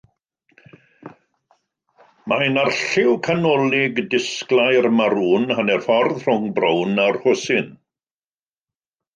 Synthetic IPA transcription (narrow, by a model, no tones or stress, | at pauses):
majnarɬɪwkʰanɔlˠɪɡdɪsklˠajrmaɾuːnhanɛrfɔrðr̥ʊŋbrownarhʊsɪn